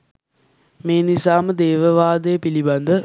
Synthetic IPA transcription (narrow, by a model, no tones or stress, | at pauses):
meːnisaːməd̪eːʋəʋaːd̪əjəpiliband̪ə